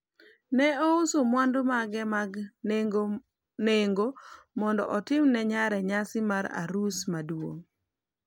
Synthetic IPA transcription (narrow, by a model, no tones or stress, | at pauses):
nɛɔusomwandomaɡɛmaɡɡ | neŋɡo | mɔndɔ̰ʔɔtɪmnɛɲaɾɛɲasɪmaɾa̰ɾusmadwo̰ŋ